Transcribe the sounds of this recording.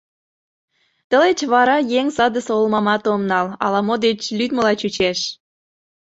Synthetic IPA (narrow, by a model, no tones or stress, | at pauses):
t̪ə̆let͡ɕβɑɾɑjeŋsɑd̪əseolmɑmɑt̪omnɑlɑ̰lɑmod̪et͡ɕlyd̪mə̆lɑt͡ɕut͡ɕeʃ